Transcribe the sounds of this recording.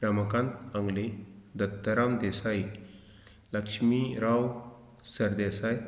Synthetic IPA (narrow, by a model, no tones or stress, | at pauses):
ɾəməkãnt̪aŋɡled̪ət̪ːəɾamd̪esaj | ləkʂmiɾaw | səɾd̪esaj